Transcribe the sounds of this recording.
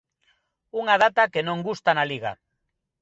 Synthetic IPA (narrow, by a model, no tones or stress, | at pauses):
uŋað̞at̪akenõŋɡust̪analiɣa̰